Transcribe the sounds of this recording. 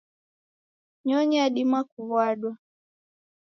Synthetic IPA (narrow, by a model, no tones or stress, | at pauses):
ɲɔɲɛaɗimakuvwaɗwa